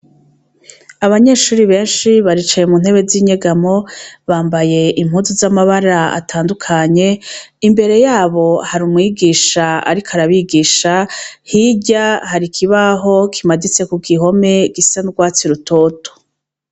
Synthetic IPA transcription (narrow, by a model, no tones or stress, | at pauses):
aβaɲe̞ʃuːɾiβe̞ːnʃiβaɾit͡ʃajemun̥he̞βe̞ziɲeɡamo̞βaːmbaje̞ʔimhuːnzizamaβaɾaa̰tʰaːndukʰaɲe̞ | imbe̞ɾe̞jaːβo̞haɾumŋiːɡiːʃaa̰ɾikoaɾaβiɡiːʃahiɟahaɾikʰiβaɦo̞kʰimadit͡se̞kuɡiɦo̞me̞ɡisanɡwaːt͡siɾutʰo̞ːto̥